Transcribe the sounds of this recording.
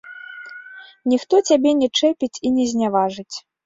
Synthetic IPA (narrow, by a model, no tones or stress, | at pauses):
nʲixt̪ɔt͡sʲabʲɛnʲɛt͡ʂɛpʲit͡sʲinʲɛzʲnʲavaʐɨt͡sʲ